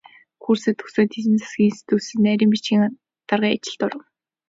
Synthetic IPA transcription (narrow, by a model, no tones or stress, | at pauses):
xuːrsĕt̪ʰɵsoːt̪ʰiɾɘ̆nt͡sʰḁsɡ̥ʲiːŋinsi̥t̪ʰuːsɘ̆næɾʲiːmpit͡ɕɡʲiːŋ | t̪arʁiːa̰t͡ɕɪ̆ɮt̪ʊɾə̆w